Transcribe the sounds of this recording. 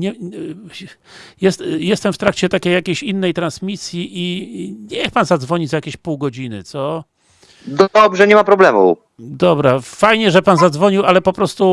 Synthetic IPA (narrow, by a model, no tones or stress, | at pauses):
ɲɛ | jɛst̪jɛst̪ɛmft̪ɾakt͡ɕɛt̪akʲejːakʲeɕinːɛjt̪ɾansmʲisʲjiʔiɲɛxpanzad̪zvɔɲid͡ʑzajakʲeɕpuwɡɔd͡ʑinɘ̰t̪sɔ | d̪ɔawbʐɛɲɛmapɾɔblɛmṵ | d̪ɔbɾafajɲɛʐɛpanzad̪zvɔɲiwalɛpɔpɾɔst̪u